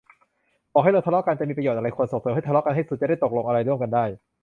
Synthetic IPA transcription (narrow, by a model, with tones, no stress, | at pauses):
ʔɔː˨˩a˥˩lɤː˧t̪ʰlɔ˥ka˧nt͡ɕa˨˩miː˧pɾa˧j̪̚ʔa˧ɾa˧jkʰo˧ənsoː˨˩soː˨˦ma˥˩t̪ʰlɔ˦˥ka˧nɦa˥˩jsu˨˩˦t͡ɕa˨˩da˥˩jt̪o˨˩k̚lo˧ŋʔa˧ɾa˧jɾu˥˩əmka˧ndaː˥˩j